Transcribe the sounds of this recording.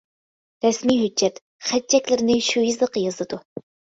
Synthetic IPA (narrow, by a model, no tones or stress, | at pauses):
ɾɛsmiɦød͡ʒːɛt̪ | χɛt͡ʃʰːɛkʲlɪɾɪnɪʃujizlˠəqːəjɑzɨd̪u